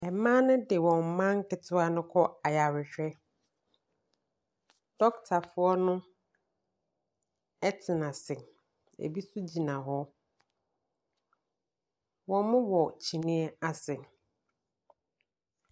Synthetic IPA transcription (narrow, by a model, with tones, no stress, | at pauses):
ɛ˨mã˦nʊ̃˦dɪ˨wɔ̃˨m˨mã˦ŋ˦kʰɪ˨tʰʊ˦a˦nʊ̃˦kʰɔ˦a˨ja˨ɾɪ˨ɕᶣɛ˦ | d̥ɔ˦ktʰa˨fʊ˦ɔ˦nʊ̃˦ | ɛ˦tʰɪ˨nã˨sɪ̃˨ | ḛ˨bi˦su˦d͡ʑi˨nã˨ɦɔ˦ | wɔ̃˨˦mʊ̃˦wɔ˨t͡ɕʰi˨nĩ˦ɛ˦a˨sɪ̃˨